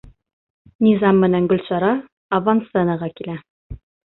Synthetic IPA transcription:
nʲizɑmːɘ̆næŋɡɵ̆lsɑɾɑː | vansɛnɑʁɑkilæ

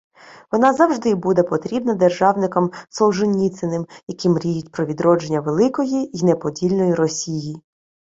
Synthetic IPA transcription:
ʋɔnɑzɐwʒd̪ɪbud̪ɛpɔt̪ɾʲibnɐd̪erʒɑwnɪkɔmsɔwʒɪnʲːit̪sɪnɪmjɐkimɾʲijʊtʲpɾɔʋʲid̪ɾɔd͡ʒenʲːɐʋelˠɪkɔjiinepɔdʲilʲnɔjiɾɔsʲiji

